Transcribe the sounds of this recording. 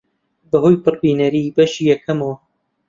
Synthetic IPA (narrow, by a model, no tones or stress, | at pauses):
bɐɦojpɨɾbiːnɐɾibɐʃiːjɛkʰɐmɐwɐ